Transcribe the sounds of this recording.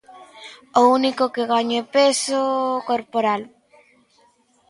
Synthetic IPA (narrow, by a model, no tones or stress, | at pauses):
ounikokeɣaɲepesokoɾpoɾal